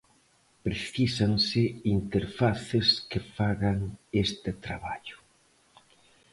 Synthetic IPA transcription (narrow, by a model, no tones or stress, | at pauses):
pɾeθisaŋsɪint̪eɾfaθɪskefaɣaŋest̪ɪt̪ɾa̰βaʎʊ̥